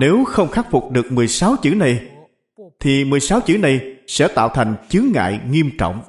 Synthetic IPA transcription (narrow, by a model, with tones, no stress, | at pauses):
ne˨˦wxə˧wŋ͡mxaː˦˥t̚fʊ˨˩k͡p̚ɗɨ˨˩ək̚mɨ˨˩əjsaː˨˦wt͡ɕɨ̰˧˥na˨˩j | t̪ʰi˨˩mɨ˨˩əjsaː˨˦wt͡ɕɨ̰˧˥na˨˩jsɛ̰˧˥t̪a̰ː˧˨wt̪ʰa˨˩jŋ̟t͡ɕɨ˨˦ŋːa̰ː˧˨jŋi˧əmt͡ɕɔ̰˧˨wŋ͡m